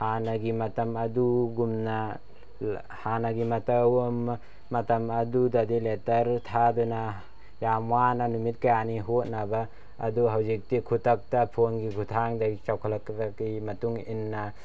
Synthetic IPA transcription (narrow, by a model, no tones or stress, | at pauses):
hanaɡimɐtɐmɐduɡumna | hanaɡimɐtɐwɐmː | ɐtɐmɐdudadiletɐɾtʰaduna | jamwananumit̚kajaniɦot̚nabaː | duɦawzik̚tikʰutak̚tapʰonɡikʰutʰaŋdaɡit͡ʃawkʰalaktakimɐtuŋinːa